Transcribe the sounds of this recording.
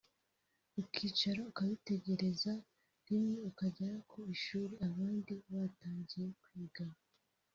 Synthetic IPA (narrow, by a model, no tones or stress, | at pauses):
ukiːt͡ʃaɾo̞ukaβite̞ɟe̞ɾe̞za | nimɲeukaɟaɾakʰoiʃuːɾeaβaːndiβaːtaːɲɟije̞kwiːɡa